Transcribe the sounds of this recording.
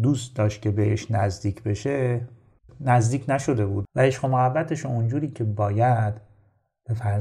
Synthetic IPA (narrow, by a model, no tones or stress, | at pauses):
d̪uːst̪d̪ɒːʃt̪̚cʰʲe̞beḛʃnæzd̪iːcʰbe̞ʃe̞ | næzd̪iːcʰnæʃo̞d̪e̞buːd̪væeʃqomohæbːæt̪ʰeʃoond͡ʒuːɾiːcʰe̞bɒːjæd̪̥ | b̥e̞fæɾ